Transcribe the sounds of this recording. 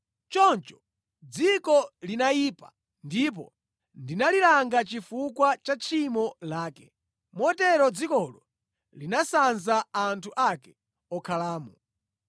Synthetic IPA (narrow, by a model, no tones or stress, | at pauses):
t͡ʃɔnt͡ʃɔ̥ | d͡zikɔlinajiːpḁ | ndip̬ɔ̰ | ndinalilaŋɡat͡ʃifukwat͡ʃat͡ʃʰimɔlaːkɛ | mɔtɛɾɔd͡zikɔlɔ | linasanzaantʰuʔakɛ̥ | ɔkʰalaːmɔ